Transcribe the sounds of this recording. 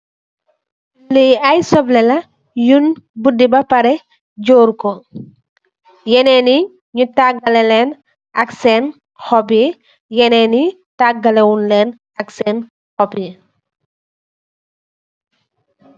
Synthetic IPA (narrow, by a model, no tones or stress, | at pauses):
liɐjsɔblɛlɐ | junbudibɐpɐɾɛ | ɟoːɾkɔ | jɛnɛni | ɲutaɡɐlɛlɛn | ɐksɛn | xɔpji | jɛnɛːni | taɡɐlɛwunlɛːn | ɐksɛːn | xɔpji